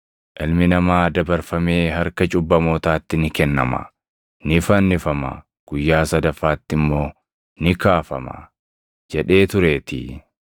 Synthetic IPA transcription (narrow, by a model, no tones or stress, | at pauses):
ʔɪlmɪnɐmaːd̪ɐbɐɾfɐme̞ːɦɐɾkɐt͡ʃʼʊbːɐmo̞ːt̪aːt̪ːɪnɪkɛnːɐ̰mɐ̰ | nɪfɐnːɪfɐmɐ̰ | ɡ̥ʊjːaːsɐd̪ɐfːaːt̪ːɪmːo̞ː | nɪkaːfɐmɐ̰ | d͡ʒɛᶑe̞ːt̪ʊɾe̞ːt̪ɪ̰